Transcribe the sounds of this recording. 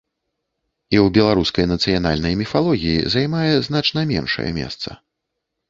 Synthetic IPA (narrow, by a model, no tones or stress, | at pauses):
iwbʲɛlˠaɾuskɐjnɐt̪sɨjan̪a̰lʲnɐjmʲifalˠɔɣʲijḭzajmajɛznat͡ʂnɐmʲɛ̰nʂɐ̰jɛ̰mʲɛ̰st̪sɐ̰